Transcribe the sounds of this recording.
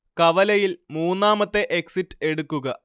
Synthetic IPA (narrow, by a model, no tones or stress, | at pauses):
kɐʋɐlɐjilmuːnːaːmɐt̪ːe̞ʔeksitːɨ̥e̞ɽukːuɣɐ